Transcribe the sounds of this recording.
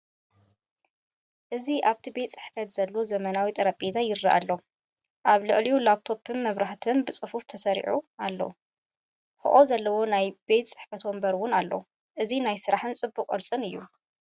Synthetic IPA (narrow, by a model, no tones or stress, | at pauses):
ʔɨziʔaβt̪ʰibe̞t̪t͡sʼɨħfɐt̪z̥ɐlːozɐmɐnawit̪ʼɐɾɐpʼezajɪɾːaʔa̰lːo | ʔaβlɨʕlijulaβt̪ʰo̞pʰɨnmɐβɾaħt̪ʰɨnbɨt͡sʼɨfuft̪ʰɐsɐɾḭʕualːo̰ | xɨ̰ʔozɐlːɐwo̞najbe̞t̪sʼɨ̥ħfɐt̪wombɐɾwʊnalːo̰ | ʔɨzinajsɨɾaħɨnt͡sʼɨbːuqʼɐ̰lsʼɨnɨjːṵ